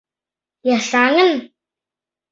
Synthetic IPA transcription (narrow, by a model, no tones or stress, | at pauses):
jaɬaːŋən